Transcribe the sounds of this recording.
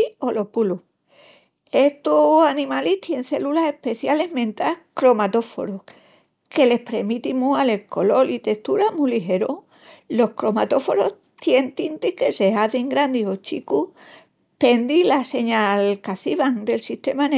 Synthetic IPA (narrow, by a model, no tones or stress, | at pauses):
o̞lo̞pulu | e̞ht̪osanĩmaliht̪je̞nθe̞lulase̞hpe̞θjale̞ɦmẽ̞nt̪akɾo̞mat̪o̞fo̞̰ɾoh | ke̞le̞hpɾemit̪imuale̞ko̞lo̞lit̪e̞st̪uɾamuliɦe̞ɾo | lo̞hkɾo̞mat̪o̞fo̞ɾo̞h | t̪je̞nt̪int̪ihke̞se̞aðiŋɡɾand̪io̞t͡ʃḭku | pe̞nd̪ilase̞ɲalkaθiβaŋd̪e̞lsiht̪e̞man